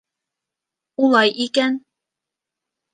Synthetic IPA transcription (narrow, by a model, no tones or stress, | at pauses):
ulˠɑjʔikæn